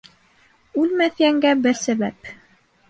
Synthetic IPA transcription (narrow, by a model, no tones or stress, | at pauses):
ʉlmæθjæŋɡæbɘɾsæβæp